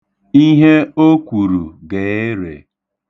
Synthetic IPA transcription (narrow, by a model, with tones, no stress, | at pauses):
i˦ɦe˦o˦kʷu˨ɾu˨ɡe˨e˦ɾḛ˨